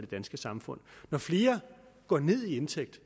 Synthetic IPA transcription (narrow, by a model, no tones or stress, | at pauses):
d̥e̝d̥ænsɡ̥əsɑ̈mfɔ̽n̰nɒfle̝ːɐɡ̥ɒ̰ːne̝ð̞̰ˠie̝nt͡sʰeɡ̥̚d̥